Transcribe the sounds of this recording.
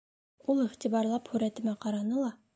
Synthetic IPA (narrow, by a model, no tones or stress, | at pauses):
ulˠiχt̪ibɑɾlˠɑphʉɾæt̪ɘ̆mæqɑɾɑnɤlˠɑ